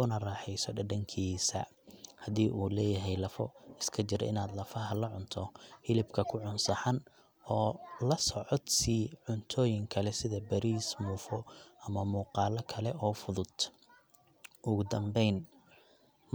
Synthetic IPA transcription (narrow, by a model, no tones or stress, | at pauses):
ʊnɐraːħɛjsɔɖɐɖɐŋkʰiːsɐ̰ | hɐdiːʔuːlɛːjɐɦɛjlɐfɔ̰ɪskʰɐt͡ʃɪɾɛ̰ɪnaːd̪lɐfɐɦɐlɐʕʊnt̪ʰɔhɪlɪbkʰɐkʰʊʕʊnsɐħɑn | ɔːlɐsɔʕɔd̪siːʕʊnt̪ʰɔːjɪŋkʰɐlɛsɪðɐbɐɾiːsmuːfɔɐmɐmuːqɑːlɐkʰɐlɛʔɔːfʊðʊd̪̥ | ʔʊɣʊd̪ɐmbɛjn